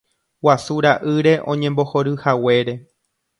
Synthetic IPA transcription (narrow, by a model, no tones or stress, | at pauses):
wasuɾaʔɨɾe̞ʔõ̞̰ɲẽ̞mbo̞ho̞ɾɨhawe̞ɾe̞